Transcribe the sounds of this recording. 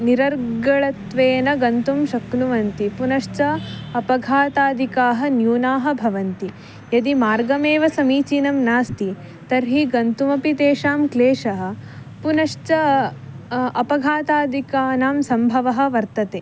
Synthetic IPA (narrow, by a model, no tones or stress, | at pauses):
niɾɐɾɡɐɭɐt̪ʋeːnɐɡɐnt̪umʃɐknuʋɐnt̪ipunɐʂt͡ʃɐɐpɐɡʱaːt̪aːd̪ʱikaːɦɐ̆njuːnaːɦɐ̆bʱɐʋɐnt̪i | jɐd̪imaːɾɡɐmeːʋɐsɐmiːt͡ʃinɐmnaːst̪i | t̪ɐɾɦiɡɐnt̪umɐpit̪eːʃaːmkleːʂɐɦɐ̆ | punɐʂt͡ʃɐ | ɐpɐɡʱaːt̪aːd̪ʱikaːnaːmsɐmbʱɐʋɐɦɐ̆ʋɐɾt̪ɐt̪eː